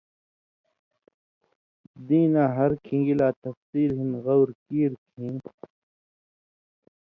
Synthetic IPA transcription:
d̪ĩːnaːɦɐɾkʰĩŋɡilaːt̪ɐfsiːlɦinɣɐwɾkiːɾkʰĩː

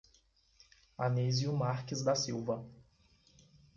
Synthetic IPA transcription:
anezjʊmaɾkɪzd̪ɐsiwvɐ

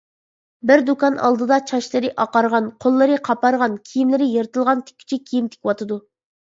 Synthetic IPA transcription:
bɪɾd̪ukɑnʔɑ̰lˠd̪ɨd̪ɑt͡ʃʰɑʃlˠɨɾɪʔɑqɑɾʁɑnqʰolˠːɨɾɨqʰɑpɑɾʁɑnkʲʰijimlɪɾɪjeɾt̪ɨlˠʁɑnt̪ʰɪ̥kʲʰːy̥t͡ʃʰikʲʰijimt̪ʰɪ̥kʲwɑt̪ʰɨd̪u

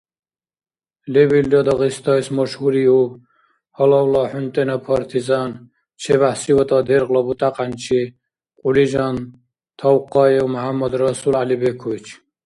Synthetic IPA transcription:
lɛbild̪ɔd̪ɔɣist̪ʰɔjsmɔʃhuɾiu | hɔlɔwlɔħunt̪ʼɛnɔpʰɔɾt̪ʰizan | t͡ʃʰɛβahsiwɔt̪ʼɔd̪ɛɾɣlɔbut̪ʼaqʼant͡ʃʰi | qʼulid͡ʒɔn | t̪ʰɔwqʼɔɛumɔɦamːɔd̪ɾɔsulalibɛkʰujt͡ʃʰ

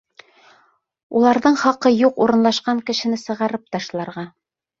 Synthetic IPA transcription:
ulˠɑɾðɤɴχɑqɤjuquɾɤ̆nlˠɑʃqɑŋkɘ̆ʃɘ̆nɘsɤ̆ʁɑɾɤp̚t̪ɑʃlˠɑɾʁɑ

